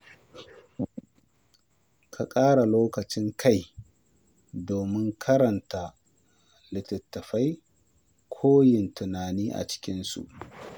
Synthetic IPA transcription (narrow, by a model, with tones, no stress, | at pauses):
kʰa˨kʼaː˦ɽa˨loː˦kɐ˨t͡ʃɪ˦ŋkʰa˦j | doː˨mɪ˦ŋkʰɐ˦ɾɐ˨nta˨ | lɪ˨tɐ˨tːɐ˨ɸa˦j | kʷʰoː˦jɪ˨ntʊ˨naː˨niː˦ʔa̰˨t͡ʃɪ̥˦kʲɪ˦nsṵ˨ʔ